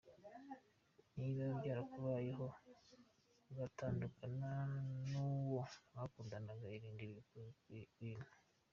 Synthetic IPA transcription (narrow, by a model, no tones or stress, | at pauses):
niβabɟaːɾakuβaːjeɦo̞ | ɡataːndukananuːwo̞βakuːndanaɡaiɾiːndi | wiːne